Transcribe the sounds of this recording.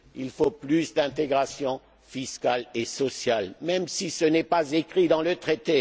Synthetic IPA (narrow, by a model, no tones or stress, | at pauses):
ilfoplysd̪ɛ̃t̪eɡʁasjɔ̃ | fiskalesɔsjalmɛmsisənɛpazekχid̪ɑ̃lət̪χet̪e